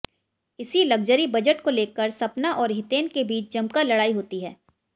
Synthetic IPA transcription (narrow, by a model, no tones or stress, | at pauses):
ɪsilɐɡ̚d͡ʒəɾibɐd͡ʒəʈkoleːkːəɾsɐpnaʔɔːɾɦɪt̪eːnkebiːt͡ʃd͡ʒɐ̃mkalɐɽaːiɦoːt̪iɦɛ̰ː